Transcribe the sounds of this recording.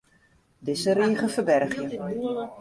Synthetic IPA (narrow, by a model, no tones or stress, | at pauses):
dɪsəriːχəfəbɛrχjə